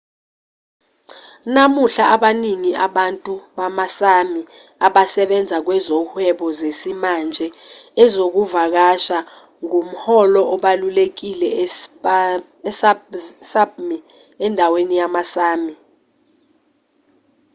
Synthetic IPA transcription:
namuɬaaɓaniŋiaɓantʼuɓamasami | aɓasɛɓɛnd͡zʱak̬wɛzɔhwɛɓɔzesimand͡ʒʱɛɛzok̬uvak̬aʃa | ŋum̩hɔlɔʔɔɓalulek̬ilɛ | ssabmi | ɛndʱawenijamasaːmi

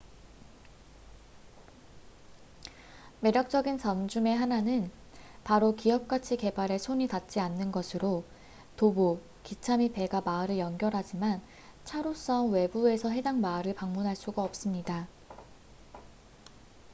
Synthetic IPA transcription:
me̞ɾjʌk̚t͡ɕ͈ʌɡint͡ɕʌmd͡ʑume̞ɦananɯn | paɾokiʌp̚k͈at͡ɕʰike̞baɾe̞sʰoɲitat̚t͡ɕ͈ianːɯnɡʌsʰɯɾo | tobo | kit͡ɕʰamipe̞ɡamaɯɾɯɭjʌnɡjʌɾɦad͡ʑiman | t͡ɕʰaɾos͈ʌŋwe̞bue̞sʰʌɦe̞daŋmaɯɾɯɭpaŋmunɦaɭs͈uɡaʌp̚s͈ɯmɲida

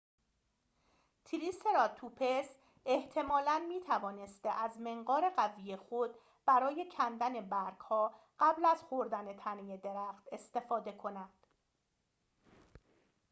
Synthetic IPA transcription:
t̪ʰiɾiseɾɒːt̪ʰupʰes | eht̪ʰe̞mɒːlænmiːt̪ʰævɒːne̞st̪eʔæzme̞ŋɢɒːɾe̞ɢævijexo̞d̪ | b̥æɾɒːje̞cʰænd̪æne̞bæɾɡ̥hɒː | ɢ̥æblæzxoɾd̪æne̞t̪ʰænejed̪e̞ɾæxt̪e̞st̪e̞fɒːd̪e̞kʰo̞næd̪̥

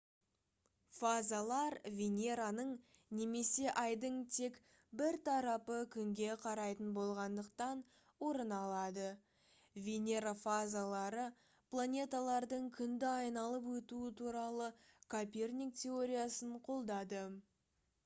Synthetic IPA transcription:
fazalˠɑɾvʲenʲe̞ɾanəɴne̞me̞se̞ʔɑjd̪əɴt̪ʰe̞k | bɪɾt̪ʰɑɾɑpəkʲʰʏŋɡʲe̞qʰɑɾɑjt̪ənbo̞lˠʁɑnd̪əqt̪ɑn | wo̞ɾənɑlˠɑd̪ə | vʲenʲe̞ɾafazalˠɑɾə | plˠanʲe̞t̪alˠɑɾd̪əɴkʲʰʏnd̪ɪɑjnɑlˠəpwɵt̪uɪt̪ʰuɾɑlˠəkʰopʲe̞rnʲik̚t̪ʲʰe̞o̞ɾʲijasəɴqʰo̞lˠd̪ɑd̪ə

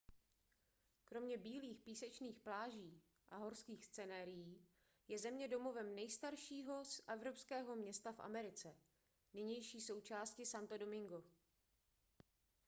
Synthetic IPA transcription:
kɾo̞mɲɛbiːliːxpiːsɛt͡ʃniːxplaːʒiː | ʔaɦo̞ɾskiːxst͡sɛnaːɾɪjiː | jɛzɛmɲɛdo̞mo̞vɛmnɛjst̪aɾʃiːɦo̞sʔɛvɾo̞pskɛːɦo̞mɲɛst̪afʔa̰mɛɾɪt͡sɛ | nɪɲɛjʃiːso̞wt͡ʃaːscɪsant̪odo̞mɪŋɡo

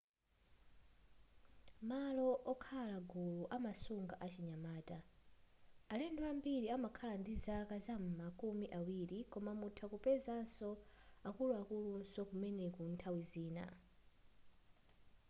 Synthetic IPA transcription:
malɔʔɔkʰalaɡuluʔamasuŋɡaʔat͡ʃiɲamaːta | alɛnduambiɾiamakʰalandizakazam̩makumiʔawiɾikɔmamutʰakupɛzansɔakuluakulunsɔkumɛnɛkuntʰawiziːna̰

